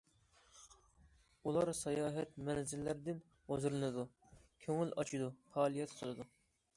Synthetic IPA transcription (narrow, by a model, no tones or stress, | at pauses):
ulˠɑɾsɑjɑːɦɛt̪mɛnzɪlːɪɾɪd̪ɪn | hozɨɾɨnɨd̪u | kʲʰøŋɪlɑt͡ʃʰid̪ufɑːlˠijɛt̪qʰəlˠɨd̪u